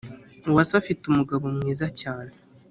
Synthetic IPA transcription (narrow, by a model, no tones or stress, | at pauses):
uwasafitumuɡaβo̞mŋiːzacaːne